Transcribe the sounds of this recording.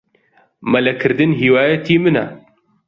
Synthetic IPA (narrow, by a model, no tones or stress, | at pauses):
mɐlɐkʰɨɾd̪ɨnɦiwaːjɐt̪iːmɨnɐ